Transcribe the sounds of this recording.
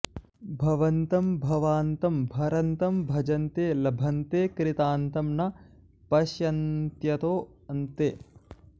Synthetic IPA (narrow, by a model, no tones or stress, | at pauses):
bʱɐʋɐnt̪ɐmbʱɐʋaːnt̪ɐmbʱɐɾɐnt̪ɐmbʱɐd͡ʒɐnt̪eːlɐbʱɐnt̪eːkɾɪt̪aːnt̪ɐmnɐ | pɐʃjɐnt̪jɐt̪oːɐnt̪eː